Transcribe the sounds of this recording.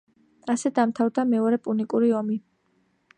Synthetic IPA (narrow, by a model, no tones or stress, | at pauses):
asɛd̪amt̪ʰavd̪amɛɔɾɛpʼunikʼuɾiɔmi